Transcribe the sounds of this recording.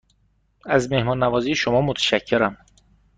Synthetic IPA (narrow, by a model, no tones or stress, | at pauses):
æzme̞hmɒːnːævɒːziːʃomɒːmot̪ʰæ̥ʃæcʰːeɾæm